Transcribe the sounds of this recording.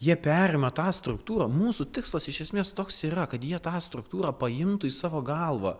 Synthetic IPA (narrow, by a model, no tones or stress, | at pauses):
jiɛpʲæːɾʲɪmɐt̪ɑːst̪ɾʊkt̪uːɾɐːmuːsut̪ʲɪkslˠɐsɪʃʲɛsʲmʲeːst̪oːksiːɾɐkɐt̪jiɛt̪ɑːst̪ɾʊkt̪uːɾɑːpɐɪmt̪ʊiːsɑːʋoːɡɐlˠʋɐ̰ː